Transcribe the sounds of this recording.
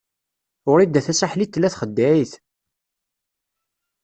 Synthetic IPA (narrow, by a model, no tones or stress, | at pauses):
ʊɾid̪ːæθæsaħlit̪ːlːæθχəd̪ːæiθ